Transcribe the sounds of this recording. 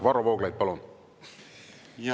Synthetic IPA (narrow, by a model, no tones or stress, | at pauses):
vɑɾovoːɡlɑjd̪̚pɑlun